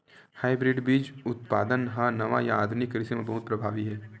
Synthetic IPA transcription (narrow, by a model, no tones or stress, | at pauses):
haːibɾɪːɖbiːd͡ʒʊt̪paːd̪ənɦãnɐʋajaaːd̪nɪkɾɪsemãbɐɦʊt̪̚pɾɐbʱaːʋiɦɛː